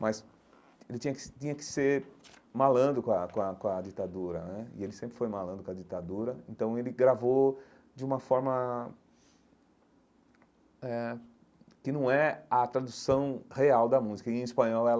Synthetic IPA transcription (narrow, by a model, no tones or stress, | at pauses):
mɐs | elɪt͡ʃĩɲɐkɪ̥t͡ʃĩɲɐkɪ̥seɾmalɐ̃nd̪ʊkõɐkõɐkõɐd͡ʒit̪ad̪uɾɐnɛɪelɪsẽmpɾɪfojmalɐ̃nd̪ʊkõɐd͡ʒit̪ad̪uɾɐḛ̃nt̪ɐ̃w̃elɪɡɾavo | d͡ʒɪũmɐfɔɾmɐ | ɛ | kɪnɐ̃w̃ɛɐt̪ɾad̪usɐ̃w̃heawd̪ɐmuzikɐiẽispɐ̃ɲɔwɛ